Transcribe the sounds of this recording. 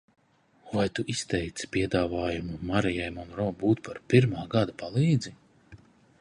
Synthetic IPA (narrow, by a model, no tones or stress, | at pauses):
vajt̪uʔist̪ɛjt̪spʲiɛd̪aːvaːjumumaɾijajmɔnɾɔbuːt̪paɾpiɾmaːɡad̪apalˠiːd̪zi